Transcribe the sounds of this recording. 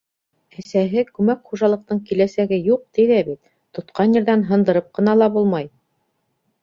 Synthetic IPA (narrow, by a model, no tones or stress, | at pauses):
ɘ̆sæɦɘkʉmækχuʒɑlˠɤ̆q̚t̪ɤɴkilæsæɡɘjuq̚t̪iðæβit̪ | t̪ŏt̪qɑnjɘ̆ɾðænɦɤ̆nd̪ɤ̆ɾɤp̚qɤ̆nɑlˠɑbulˠmɑj